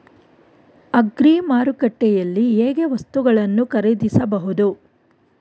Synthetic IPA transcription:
ɐɡɾiːmaːɾukɐʈːɛjɐlːieːɡeʋɐst̪uɡɐɭɐnːukɐɾed̪isɐbɐɦud̪u

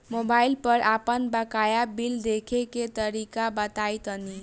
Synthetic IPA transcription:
mobailpəɾʔapənbəkajabild̪ekʰeket̪əɾikabət̪ajt̪əni

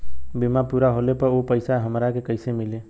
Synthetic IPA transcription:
bimapuɾaɦolepəɾopəɪsaɦəmɾakekəɪsemile

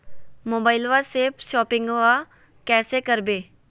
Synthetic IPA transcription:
moːbaːɪlʋaseːpʰʃɔːpɪ̃ŋɡʋa | kɛːsekəɾbeː

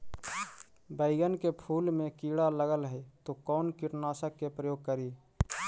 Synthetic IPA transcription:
bəɪɡənkepʰuːlmẽkiːɽaləɡəlɦɛt̪okɔːnkɪʈnaːsəkːepɾəjoːɡ̚kəɾiː

